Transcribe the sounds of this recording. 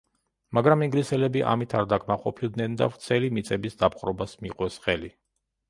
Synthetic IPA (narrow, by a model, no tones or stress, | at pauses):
maɡɾamiŋɡlisɛlɛbiʔa̰mit̪ʰaɾd̪akʰmaqʼɔpʰilˠd̪nɛnd̪a̰vɾt̪sʰɛlimit̪sʼɛbisd̪apqʼɾɔbasmiqʼwɛsχɛli